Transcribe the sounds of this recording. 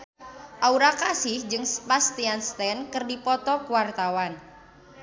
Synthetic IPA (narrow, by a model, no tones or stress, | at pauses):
ʔauɾakasɪhd͡ʒɨŋspast̪ianst̪ɛnkɨrdipɔt̪ɔkəwart̪awan